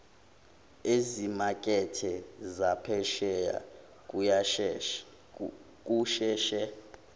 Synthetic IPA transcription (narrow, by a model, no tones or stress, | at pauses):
ezimakʼɛtʰɛzapʰɛʃɛja̰ | k̬ʼujaʃ | k̬ʼuʃɛːʃɛ